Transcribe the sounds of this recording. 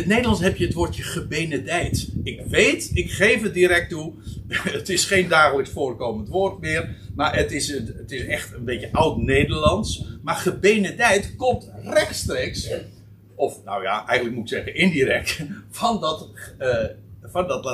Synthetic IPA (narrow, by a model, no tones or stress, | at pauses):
ətnejdəlɑnsɦɛpjəətʋoːtjəχəbeːnədɛjtɪkʋejtɪkχejfət̚diɾɛk̚tu | ətɪsχeːndaːχələksfoːrkowməntʋoːrtmɪːərmaɹətɪsəətɪsɛχtənbetjəʔʌwtnejdəɹlɑnsmarχəbenədɛjtkɔmtrɛχtstreːks | ɔfno̰wja̰ʔɛjɣənləkmutɪksɛɣənɪndiɾɛk̚tfɑnɔt | fɑndɔt